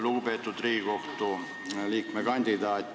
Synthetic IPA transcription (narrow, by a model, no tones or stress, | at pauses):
lupet̪ːut̪riːkokt̪u | liːkmekɑnʲd̪̥id̪ɑːt̪ː